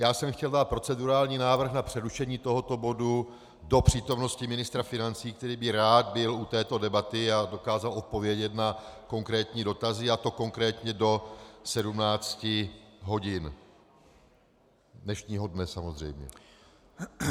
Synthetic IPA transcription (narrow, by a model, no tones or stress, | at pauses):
jaːsɛmxcɛldaːt̪̚pɾo̞t͡sɛduɾaːlɲiːnaːvr̩xnapr̝̥ɛɾuʃɛɲiːt̪o̞ɦo̞t̪o̞bo̞du | do̞pr̝̥iːt̪o̞mno̞scɪmɪnɪst̪ɾafɪnant͡siːk̚t̪ɛɾiːbɪɾaːd̪̚bɪlut̪ɛːt̪odɛbat̪ɪado̞kaːzalʔo̞t̪̚po̞vjɛɟɛt̪nako̞ŋkɾɛːt̪ɲiːdo̞t̪azɪat̪o̞ko̞ŋkɾɛːt̪ɲɛdo̞sɛdumnaːt͡scɪɦo̞ɟɪn | dnɛʃɲiːɦodnɛsamo̞zr̝ɛ̰jmɲɛ̰